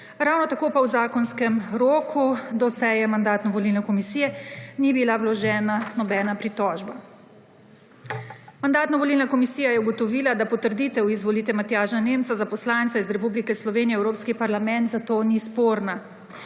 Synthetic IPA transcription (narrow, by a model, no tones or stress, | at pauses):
ɾawnɔt̪akoːpawzaːkɔnskɛmɾoːkʰud̪ɔsɛjɛmand̪aːt̪nɔʋɔlilnɛkɔmisiːjɛnibilawlɔʒɛːnanɔbɛːnapɾit̪ɔːʒba | mand̪aːt̪naʋɔliːlnakɔmisijajɛuɡɔt̪ɔʋiːlad̪apɔt̪əɾd̪iːt̪ɛwizʋɔliːt̪ʋɛmat̪jaːʒnaneːmt̪sazapɔslaːnt̪saizɾɛpublikɛslɔʋeːnijɛwɾoːpskipaɾlamɛ̃nt̪zat̪oːnispoːɾna